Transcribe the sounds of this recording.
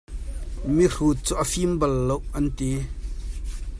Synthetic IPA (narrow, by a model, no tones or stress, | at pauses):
miruːt̚t͡suʔafimbɐlːowʔɐnt̪i